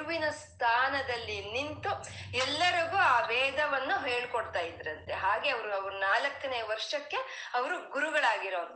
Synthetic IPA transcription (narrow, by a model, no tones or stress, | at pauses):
ʋinɐst̪ʰaːnɐd̪ɐlːinint̪u | ɛlːɐɾɐɡuːaːʋɛːd̪ʱɐʋɐnːuɦeːɭkoɽt̪aːjid̪ɾɐnt̪e̞ɦaːɡe̞ɐʋɐɾuɐʋɐɾunaːlɐkːɐneːʋɐɾʂɐkːe̞ | ɐʋɐɾuɡuɾuɡɐɭaːɡiɾoːn